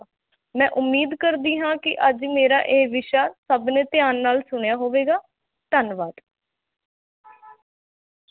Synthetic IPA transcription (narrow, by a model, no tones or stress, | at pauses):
mɛ̃ːʔʊmːiːd̪kəɾd̪iːɦãːkɪʔəd͡ʒmeːɾaːʔeːʋɪʃaːsəbneːt̪ɪjaːnːaːlsʊɳjaːɦoːʋeːɡaː | t̪ənʋaːt̪